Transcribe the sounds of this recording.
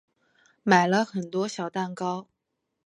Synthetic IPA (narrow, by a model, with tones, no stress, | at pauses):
ma˨˩ɪlə˦xə˨˩nt̪wɔ˥ɕjɑ˨˩ʊt̪a˥˩nkɑ˥ʊ